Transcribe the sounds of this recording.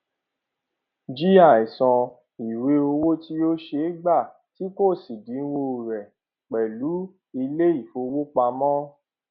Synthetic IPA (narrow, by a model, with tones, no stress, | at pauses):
d͡ʒi˦a˦˨i˨sɔ̃˧ | i˨we˧˦o˧wo˦ti˧o˦ʃe˧˦ɡ͡ba˦˨ | ti˦ko˦˨si˨dĩ˨˦n̩˦wo˧˦˨ɾɛ˨ | k͡pɛ˨lu˨˦ | i˧le˦i˦˨fo˧wo˦k͡pa˧mɔ̃˦